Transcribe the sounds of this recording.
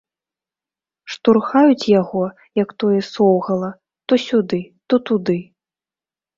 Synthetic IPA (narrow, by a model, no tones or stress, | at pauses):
ʂt̪urxajut͡sʲjaɣɔ | jɐkt̪ɔjɛsɔwɣɐlˠɐ | t̪ɔsʲud̪ɨt̪ɔt̪ud̪ɨ